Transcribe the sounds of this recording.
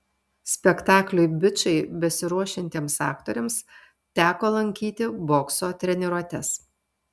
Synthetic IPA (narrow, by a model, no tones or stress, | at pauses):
sʲpʲɛkt̪ɑːklʲʊɪbʲɪt͡ʃɐɪbʲɛsʲɪɾuɔʃʲɪnʲt̪ʲiːmsɑːkt̪oːɾʲɛms | t̪ʲæːkoːlˠɐŋʲkʲiːt̪ʲɪboːksoːt̪ʲɾʲɛnʲɪɾuɔt̪ʲɛs